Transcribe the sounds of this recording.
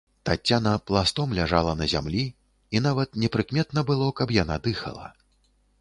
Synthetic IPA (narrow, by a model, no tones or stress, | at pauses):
t̪at͡sʲːanɐplˠast̪ɔmlʲaʐalˠɐnɐzʲa̰mlʲi | in̪avɐt̪nʲɛpɾɨkmʲɛt̪nɐbɨlˠɔkɐpjan̪ad̪ɨxɐ̰lˠɐ̰